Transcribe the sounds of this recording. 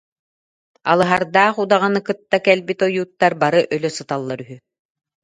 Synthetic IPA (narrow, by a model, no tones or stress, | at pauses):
a̰lˠɯɦaɾd̪aːχud̪aʁanɯkɯt̪ːakɛlbit̪ɔjuːt̪ːaɾbaɾɯʔœlœsɯt̪alˠːaɾyɦy